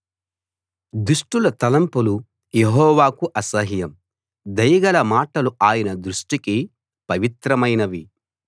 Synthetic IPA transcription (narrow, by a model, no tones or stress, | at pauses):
d̪uʂʈulɐt̪ɐlɐmpulu | jeɦɔːʋaːkuʔɐsɐɦijɐm | d̪ɐjɐɡɐlɐmaːʈɐluaːjɐnɐd̪ɾuʂʈiki | pɐʋit̪ɾɐmɐjnɐʋi